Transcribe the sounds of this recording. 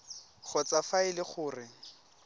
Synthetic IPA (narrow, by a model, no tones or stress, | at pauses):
χʰɔt͡sʼafaɪlɪχʊːrɪ